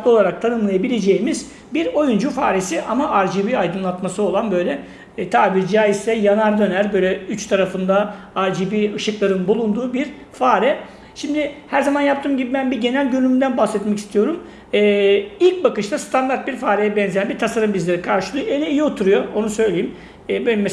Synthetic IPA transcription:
lˠo̞lˠaɾak̚t̪ʰanɯmlˠajabilʲe̞d͡ʒe̞jimiz | biɾo̞jund͡ʒufaːɾesiʔamaʔaɾd͡ʒibiajd̪ɯnlˠat̪masɯo̞lˠanbø̞jlʲɛ | t̪ʰaːbiɾd͡ʒaːist̪ɛjanaɾd̪ø̞næɾbø̞jlʲɛyt͡ʃt̪ʰaɾafɯnd̪a | aɾd͡ʒibiɯʃɯklˠaɾɯnbulˠund̪uːbiɾfaːɾɛ | ʃimd̪ɪhæɾzamanjap̚t̪ʰɯːmɟibibænbiɾɟe̞nælʲɟønymynd̪ænbahsɛt̪mɛci̥st̪ʰijo̞ɾum | ɛːilʲc̚bakɯʃt̪ast̪ʰand̪aɾt̪̚biɾfaːɾɛjɛbɛnzejænbiɾt̪ʰasaɾɯmbizlʲeɾikʰaɾʃɯlˠɯjoelʲɛijio̞t̪ʰuɾujo̞onusø̞jlʲejimː | bøjlʲɛmɛ

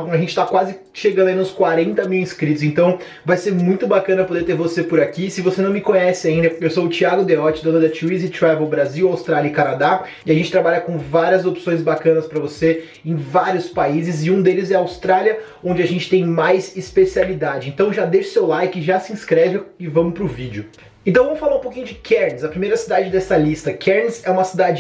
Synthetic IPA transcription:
aʒẽnt͡ʃɪ̥t̪akwazɪ | ʃeɡɐ̃nd̪ɐĩnd̪ʊskwaɾẽnt̪ɐmiwĩskɾit̪ʊz̬ẽnt̪ɐ̃w̃ | vajseɾmũj̃t̪ʊbakɐ̃nɐpod̪eɾt̪eɾvosepʊɾakisɪvosenɐ̃w̃mɪkõɲɛsɪaĩnd̪ɐewsowʊt͡ʃiaɡʊd̪eɔt͡ʃɪd̪õt̪oɾd̪ɐt͡ʃiizɪt̪ɾavewbɾaziwawst̪ɾalʲjɐikanad̪a | ɪaʒẽnt͡ʃɪ̥t̪ɾabaʎɐkõvaɾiɐzopsõj̃z̬bakɐ̃nɐspɾɐvose | ẽj̃vaɾiʊspaizɪzɪũd̪elɪzɛɐawst̪ɾaliɐ | õnd͡ʒɪaʒẽnt͡ʃɪ̥t̪ẽj̃majzispesialid̪ad͡ʒɪẽnt̪ɐ̃w̃ʒad̪eʃʊ̥sewlajkɪɪʒasɪĩskɾɛvɪɪvɐ̃mʊpɾʊvid͡ʒɪʊ | ẽt̪ɐ̃w̃vɐ̃mʊfalaɾũpokĩɲʊd͡ʒɪkʰɛɾnɪzɐpɾimejɾɐsid̪ad͡ʒɪd̪ɛsɐlist̪ɐkʰɛɾnɪzɛũmɐsid̪ad͡ʒɪ

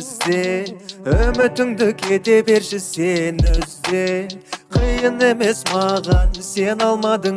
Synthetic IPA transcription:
zd̪e | ɵmɪt̪ɪŋd̪ɪkʰe̞d̪e̞be̞ɾʃɪsenʏzd̪eqʰəjəne̞me̞smɑʁɑnse̞nɑlˠmɑd̪ə

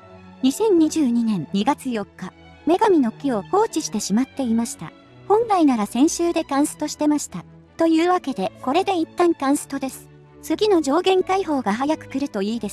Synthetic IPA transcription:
ɲ̟isẽ̞ɲ̟ɲiʑɨːɲ̟inẽ̞ɲɲiɡat͡sɨjo̞kːa | me̞ɡamʲino̞kʲio̞ho̞ːt͡ɕiɕi̥t̪e̞ɕimat̪ːe̞imaɕi̥t̪a̰ | hõ̞nɾainaɾasẽ̞ɰ̃ɕɨːd̪e̞kãɰ̃sɨ̥t̪o̞ɕi̥t̪e̞maɕi̥t̪a | t̪o̞jɯ̟ːβake̞d̪e̞ko̞ɾe̞d̪e̞it̪ːãŋkãɰ̃sɨ̥t̪o̞d̪e̞sɨ̥ | t͡sɨɡʲino̞d͡ʑo̞ːɡẽ̞ŋkaiɦo̞ːɡaɦajakɯ̟̥kɯ̟ɾɯ̟t̪o̞iːd̪e̞s

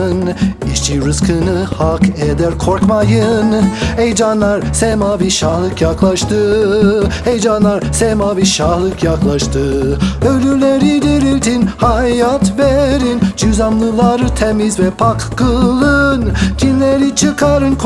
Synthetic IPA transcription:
niʃt͡ʃʰiɾɯskʰɯnɯhaked̪æɾkʰo̞ɾkmajɯnejd͡ʒanlˠaɾsemabiʃahlˠɯkjaklˠaʃt̪ʰɯ | hejd͡ʒanlˠaɾsemabiʃahlˠɯkjaklˠaʃt̪ʰɯølʲyɾlʲeɾid̪iɾilʲt̪ʰinhajat̪veɾind͡ʒyzamlˠɯlˠaɾɯt̪ʰemizvɛpʰakːɯlˠɯncʰinlʲeɾit͡ʃʰɯkʰaɾɯnk

